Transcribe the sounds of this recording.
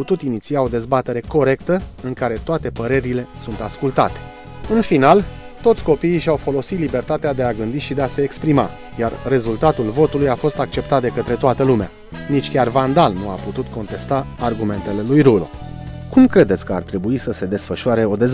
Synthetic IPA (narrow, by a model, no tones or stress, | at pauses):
ut̪ut̪init̪siao̞d̪e̞zbat̪e̞ɾe̞ko̞ɾe̞kt̪əɨŋkaɾe̞t̪oat̪e̞pəɾe̞ɾile̞sunt̪askult̪at̪e̥ | ɨnfinal | t̪o̞t̪sʲko̞piːʃawfo̞lo̞sit̪libe̞rt̪at̪ead̪e̞aɡɨnd̪iʃid̪e̞ase̞ːkspɾima̰ | jarre̞zult̪at̪ulvo̞t̪ulujafo̞st̪ak̚t͡ʃe̞pt̪at̪̚d̪e̞kət̪ɾe̞t̪oat̪əlumea̰ | nit͡ʃʲkʲarvand̪alnuaput̪ut̪ko̞nt̪e̞st̪aːrɡume̞nt̪e̞le̞lujɾulo̰kumkɾe̞d̪esʲkəa̰rt̪ɾe̞buisəse̞d̪e̞sfəʃʊaɾe̞o̞d̪ez